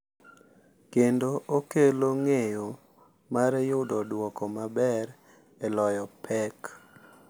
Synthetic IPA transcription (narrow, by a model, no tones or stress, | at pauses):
kendookeloŋejo | maɾɛjʊdɔdwɔkɔmabɛɾ | elɔjɔpʰɛk